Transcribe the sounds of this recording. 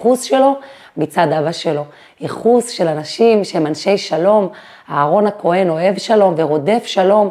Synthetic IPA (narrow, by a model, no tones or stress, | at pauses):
χusʃe̞lo̞ | mit͡sad̪abaʃelo̞ | iχusʃe̞lanaʃimʃeemanʃe̞jʃalo̞m | haːʁo̞nhakʰo̞e̞no̞e̞vʃalo̞mveʁo̞de̞fʃalo̞m